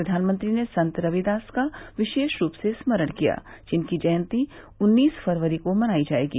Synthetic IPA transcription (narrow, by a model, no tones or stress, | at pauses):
ɾɐd̪ʱaːnmə̃nt̪ɾinesɐ̃nt̪ɾɐʋid̪aːskaʋɪʃeːʃɾuːpsesməɾəɽ̃kija̰ːd͡ʒɪnkid͡ʒɐjə̃nt̪i | ʊnːiːsfʰɐɾʋəɾikomɐnaːid͡ʒaːḛːɡḭː